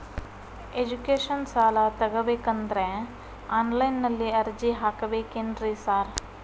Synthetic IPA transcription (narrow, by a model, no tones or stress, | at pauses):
eːd͡ʒukeːʃənsaːlat̪ɐɡəbekɐnd̪ɾɛ̃ | aːnlaɪnːɐlːiɐɾd͡ʒiɦaːkɐbeːkenɾisaːɾ